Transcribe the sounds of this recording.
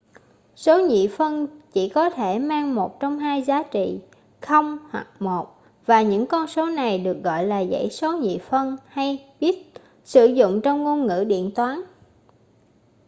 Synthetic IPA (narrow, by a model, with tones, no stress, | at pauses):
so˨˦ɲḭ˧˨fə˧nt͡ɕi˧˩kɔ˨˦t̪ʰe˧˩maː˧ŋmo˨˩t̚t͡ɕɔ˧wŋ͡mhaː˧jzaː˨˦t͡ɕḭ˧˨ | xə˧wŋ͡mhwa̰˨˩k̚mo˨˩t̚ | vaː˨˩ɲɨ̰˧˥ŋkɔ˧nso˨˦na˨˩jɗɨ˨˩ək̚ɣɔ̰˧˨jlaː˨˩zə̰˧˥jso˨˦ɲḭ˧˨fə˧nha˧jɓi˦˥ət̚ | sɨ˧˩zʊ̰˧˨ŋ͡mt͡ɕɔ˧wŋ͡mŋo˧nŋɨ̰˧˥ɗḭ˧˨ənt̪waː˨˦n